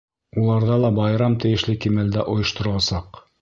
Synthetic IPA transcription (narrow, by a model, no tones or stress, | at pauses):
ulˠɑɾðɑlˠɑbɑjɾɑmt̪ɘ̆jɘ̆ʃlɘkimæld̪æʔŏjɤ̆ʃt̪ŏɾŏlˠɑsɑq